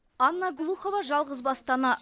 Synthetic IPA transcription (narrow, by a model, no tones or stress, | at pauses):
ɑnːɑɡlˠuχovɑʒɑlˠʁəzbɑst̪ɑnɑ